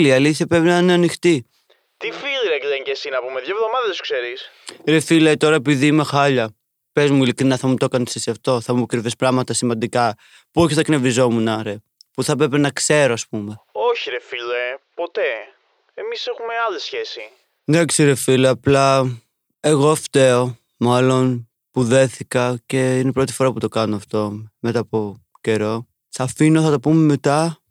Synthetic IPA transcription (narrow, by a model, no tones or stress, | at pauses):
liɐliθçɐpɾe̞pinɐineɐnixt̪i | t̪ifiliɾekleɲɟesinɐpumeðʝɐvðo̞mɐðɐðsu̥kseɾisɾefilet̪o̞ɾɐepiðiime̞xɐʎɐ | pe̞zmuilikɾinɐθɐmut̪okɐnsisɐft̪o̞θɐmukɾivispɾɐmɐt̪ɐsimɐnd̪ikɐ | puoçiθɐkne̞vizo̞munɐɾe | puθɐpɾepenɐkse̞ɾo̞ɐspume̞oçiɾefilepo̞t̪e̞ | emisexumeɐlisçe̞si | nekseɾefileɐplɐ | e̞ɣo̞ɐft̪e̞o̞ | mɐlo̞n | puðe̞θikɐce̞inepɾo̞t̪i̥fo̞ɾɐput̪o̞kɐnoɐft̪o̞me̞t̪ɐpo̞ | ce̞ɾo̞ | θɐfinoθɐt̪opumeme̞t̪ɐ